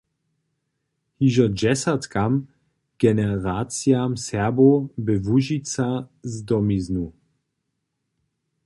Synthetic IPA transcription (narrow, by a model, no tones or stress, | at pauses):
hiʒɔd͡ʒɛsat̪kam | ɡ̥ɛnɛʁaːt͡sjamsɛɐbobɪvuʒit͡sazd̪ɔmiznu